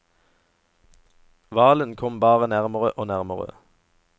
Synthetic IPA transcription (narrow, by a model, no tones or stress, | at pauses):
ʋɑːlənkʰɔmbɑːʁənæʁməʁəʔoːnæʁməʁə̰